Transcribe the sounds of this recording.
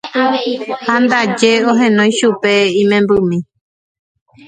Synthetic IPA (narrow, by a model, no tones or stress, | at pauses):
hand̪ad͡ʒe̞õɦẽ̞nõj̃ʃupe̞ĩmẽmbɨmĩ